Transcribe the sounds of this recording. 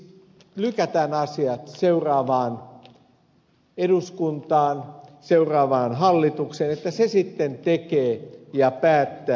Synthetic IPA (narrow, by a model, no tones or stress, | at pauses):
lykæt̪æːnɑsiɑt̪seurɑːʋɑːn | eduskunt̪ɑːnseurɑːʋɑːnɦɑlːit̪ukseːnet̪ːæsesit̪ːent̪ekeːjɑpæːt̪ːæː